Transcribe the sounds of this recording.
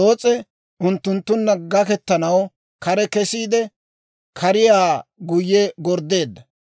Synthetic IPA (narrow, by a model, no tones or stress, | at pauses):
oːt͡sʼɛ | ʔʊnt̪ːʊnt̪ːʊnːɐɡɐkɛt̪ːɐnɐw | kɐɾɛkɛsiːd̪ɛ | kʰɐɾɪjaːɡʊjːɛɡɔɾd̪e̞ːd̪ːɐ